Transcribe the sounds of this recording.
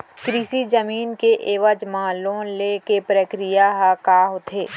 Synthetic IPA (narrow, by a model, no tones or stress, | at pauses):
kɾiʃid͡ʒəmiːnkeʔeːʋəd͡ʒmãːlõlekepɾəkɾijaɦakaːɦot̪ʰeː